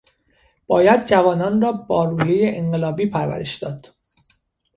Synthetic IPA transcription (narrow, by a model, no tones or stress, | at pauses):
b̥ɒːjæd̪̚d͡ʒævɒːnɒːnrɒːbɒːɾuːjejeʔeɴɢe̞lɒːbiːpʰæɾvæ̰ɾe̞ʃd̪̥ɒːd̪̥